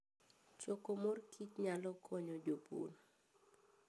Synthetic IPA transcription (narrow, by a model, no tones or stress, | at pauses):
t͡ʃokomorkʰitɲalɔkʰɔɲɔd͡ʒopṵn